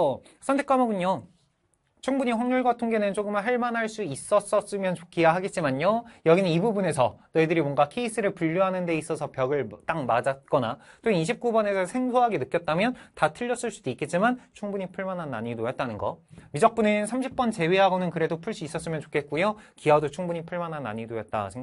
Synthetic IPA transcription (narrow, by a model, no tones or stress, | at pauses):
ʌ | sʰʌntʰe̞k͈amʌɡɯɲo | t͡ɕʰuŋbuɲiɸwaŋɲuɭɡwatʰoŋɡe̞nɯnt͡ɕoɡɯmɦaɭmanɦaɭs͈uis͈ʌs͈ʌs͈ɯmjʌnt͡ɕokʰijaɦaɡe̞t̚t͡ɕ͈imaɲojʌɡinɯnibubune̞sʰʌnʌidɯɾimwʌŋɡakʰe̞is͈ʰɯɾɯɭpuʎːuɦanɯnde̞is͈ʌsʰʌpjʌɡɯɭt͈aŋmad͡ʑat̚k͈ʌna̰t͈oniɕ̬ʰip̚k͈ubʌne̞sʰʌsʰe̞ŋsʰoɦaɡe̞nɯk͈jʌt̚t͈amjʌntatʰɯʎːʌs͈ɯɭs͈udoik͈e̞t̚t͡ɕ͈imant͡ɕʰuŋbuɲipʰuɭmanɦanːa̰ɲidojʌt̚t͈anɯnɡʌmid͡ʑʌk̚p͈unɯnsʰamɕʰip̚p͈ʌnt͡ɕe̞we̞ɦaɡonɯnkɯɾe̞dopʰuɭs͈uis͈ʌs͈ɯmjʌnt͡ɕo̥kʰe̞t̚k͈ujokiadot͡ɕʰuŋbuɲipʰuɭmanɦanːa̰ɲidojʌt̚t͈a̰sʰeŋ